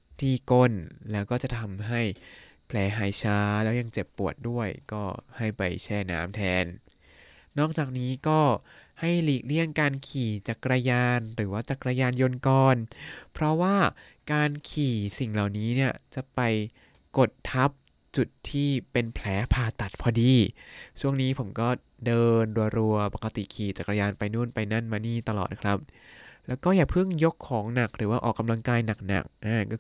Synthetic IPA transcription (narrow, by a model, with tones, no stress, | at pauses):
t̪ʰiː˥˩ko˥˩nlɛː˦˥wkɔː˥˩t͡ɕa˨˩t̪ʰa˧mɦa˥˩j | pʰlɛː˩˥ɦaː˨˩˦jt͡ɕʰaː˦˥lɛː˦˥wja˧ŋt͡ɕe˨˩pːu˨˩ət̪̚du˥˩əjkɔː˥˩ha˥˩jpa̰˧jt͡ɕʰɛː˧˩na̰ː˦˥mt̪ʰɛː˧nː | ɔː˥˩k̚t͡ɕaː˨˩k̚niː˦˥kɔː˥˩ha˥˩jliː˨˦˩k̚li˥˩əŋkaː˧nkʰiː˨˩t͡ɕa˨˩kɾa˧jaː˧nɾɯː˩˦waː˥˩t͡ɕa˨˩kɾa˧jaː˧njo˧nkɔː˧npʰɾɔ˦˥waː˥˩ | kaː˧nkʰiː˨˩si˨˩ŋla˨˩wniː˦˥ni˥˩ɐt͡ɕa˨˩pa˧j | ko˨˩t̪ʰːa˦˥p̚ | t͡ɕu˨˩t̪ʰːiː˥˩pe˧npʰlɛː˦˥pʰaː˨˧˩t̪a˨˩t̪̚pʰɔː˧diː˧t͡ɕʰu˥˩əŋniː˦˥pʰo˩˦mkɔː˥˩ | dɤː˧nɾu˧ɐɾu˧ɐpa˨˩ka˧t̪ḭ˨˩kʰiː˨˩t͡ɕa˨˩kɾa˧jaː˧npa˧jnu˥˩˨npa˧jna˥˩nmaː˧niː˥˩t̪a˧lɔ̰ː˨˩t̪̚kʰɾa˦˥p̚lɛː˦˥wkɔː˥˩jaː˨˩pʰɯ˥˩ŋjo˦˥kʰːɔː˩˦ŋna˨˩k̚ɾɯː˩˦waː˥˩ʔɔː˨˩kːa˧mla˧ŋkaː˧jna˨˩k̚na̰˨˩k̚ʔaː˧˩kɔː˥˩